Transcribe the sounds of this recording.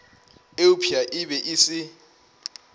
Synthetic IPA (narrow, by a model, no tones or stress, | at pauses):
eʊpʰiaʔɪbɛʔisɪ